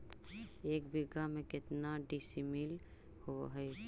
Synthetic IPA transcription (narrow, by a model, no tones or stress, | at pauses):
eːkbiɡamẽkɪt̪naɖisimil | hoɦəj